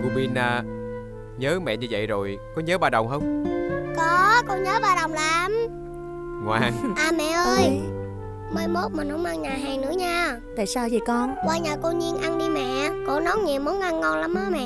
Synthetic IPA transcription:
ku˧ɓi˧naː˨˩ | ɲəː˨˦mɛ̰˧˨ɲɨ˧və̰˧˨jzo˨˩jkɔ˨˦ɲəː˨˦ɓaː˧˩ɗə˨˩wŋ͡mɦə˧wŋ͡mkɔ˨˦kɔ˧ɲəː˨˦ɓaː˧ɗə˨˩wŋ͡mlaː˨˦m | ŋwa̰ː˨˩ŋʔaː˨˩mɛ̰˧˨ʔəː˧j | mə˧jmo˦˥t̚mɨ˨˩nhʊ˧˦ŋ͡mʔə˧ŋɲaː˨˩ɦaː˨˩jnɨ̰˧˥əɲaː˧ | t̪a̰ː˧˨saː˧wzi˨˩kɔ˧nkwaː˧ɲaː˨˩ko˧ɲi˧ənʔa˧nɗi˧mɛ̰˧˨kɔ̰˧˥nɔ˨˦˥nɲi˨˩əwmu˨˦nʔa˧nŋɔ˧nla˨˦mʔəː˨˦mɛ̰˧˨

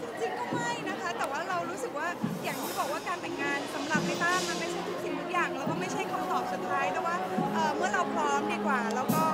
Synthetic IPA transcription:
t͡ɕi˧ŋkɔː˥˩ma˥˩jna˦˥kʰa˦˥t̪ɛː˨˩waː˥˩ɾa˧wɾuː˦˥sɯ˨˩k̚waː˥˩jaː˨˩ŋt̪ʰiː˥˩bɔː˨˩k̚waː˥˩kaː˧nt̪ʰa˧nŋaː˧nsa˩˦mla˧k̚pa˧jt̪aː˥˩ma˥˩ma˥˩t͡ɕʰa˥˩jt̪ʰu˥k̚sʰi˧˩t̪ʰu˦˥k̚jaː˨˩ŋlɛː˦˥wkɔː˥˩ma˥˩jt͡ɕʰa˥˩jkʰa˧mt̪ɔː˨˩p̚su˨˩t̪ʰːaː˦˥jt̪ɛː˥˩waː˥˩ʔɤː˨˩mɯ˥˩ɐɾa˧wpʰɾɔː˦˥mdiː˧˩kwaː˨˩lɛ˦˥wkɔː˥˩

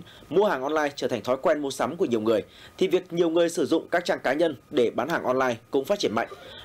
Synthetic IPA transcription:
mu˧əhaː˨˩ŋʔɔ˧nlaː˧jt͡ɕəː˧˩t̪ʰŋt̪ʰɔ˨˦jkwɛ˧nmu˧sa˨˦mku˧˩əɲi˨˩əwŋɨ˨˩əjt̪ʰi˨˩vi˨˩ək̚ɲi˨˩əwŋɨ˨˩əjsɨ˧˩zʊ̰˧˨ŋ͡mkaː˦˥k̚t͡ɕaː˧ŋkaː˨˦ɲə˧nɗe˧˩ɓaː˨˦nhaː˨˩ŋʔɔ˧nlaː˧jkʊ̰˧˥ŋ͡mfaː˦˥t̚t͡ɕi˧˩ənma̰˧˨jŋ̟

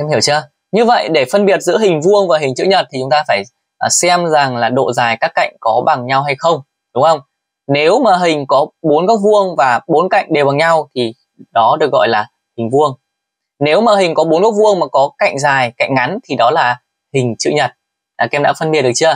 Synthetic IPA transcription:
ɛ˧mhi˧˩əwt͡ɕɨ˧ə | ɲɨ˧və̰˧˨jɗe˧˩fə˧nɓi˨˩ət̚zɨ̰˧˥ɦï˨˩ŋ̟vu˧əŋvaː˨˩ɦï̟˨˩t͡ɕɨ̰˧˥˨ɲə˨˩t̚t̪ʰi˨˩t͡ɕʊ˨˦ŋ͡mt̪aː˧faː˧˩j | ʔsɛ˧mza˨˩ŋlaː˨˩ɗo̰˧˨zaː˨˩jkaː˦˥kːa̰˧˨jŋ̟kɔ˨˦ɓa˨˩ŋɲa˧wɦa˧jxə˧wŋ͡m | ɗʊ˨˦ŋ͡mŋxə˧wŋ͡m | ne˨˦wmaː˨˩ɦï˨˩ŋ̟kɔ˨˦ɓo˨˦nkɔ˦˥k̚vu˧əŋvaː˨˩ɓo˨˦nka̰˧˨jŋ̟ɗe˨˩wɓa˨˩ŋɲa˧wt̪ʰi˨˩ | ɗɔ˨˦ɗɨ˨˩ək̚ɣɔ̰˧˨jlaː˨˩ | hï˨˩ŋ̟vu˧əŋ | ne˨˦wmaː˨˩ɦi˨˩ŋ̟kɔ˨˦ɓo˨˦nkɔ˦˥k̚vu˧əŋmaː˨˩kɔ˨˦ka̰˧˨jŋ̟zaː˨˩jka̰˧˨jŋ̟ŋa˨˦nt̪ʰi˨˩ɗɔ˨˦laː˨˩ | hï˨˩ŋ̟t͡ɕɨ̰˧˨ɲə˨˩t̚ː | kɛ˧mɗa̰ː˧˥fə˧nmi˨˩t̚ɗət͡ɕɨ˧ə

